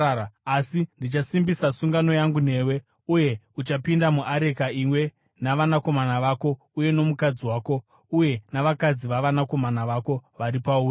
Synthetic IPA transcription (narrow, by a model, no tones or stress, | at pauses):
asindit͡ʃasimbisasuŋɡano̞jaŋɡune̞ːwe̞ | uje̞ | ut͡ʃapindamuʔaɾe̞kaimwe̞ | naʋanako̞manaʋako̞ | uje̞no̞mukad͡ziwaːko̞ | uje̞naʋakad͡ziʋaʋanako̞manaʋako̞ʋaɾipauːr